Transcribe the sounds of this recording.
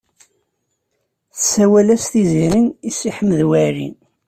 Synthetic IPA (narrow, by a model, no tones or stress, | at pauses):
θəsæwælæst̪iziɾinisiħəmːəðwæɾḭn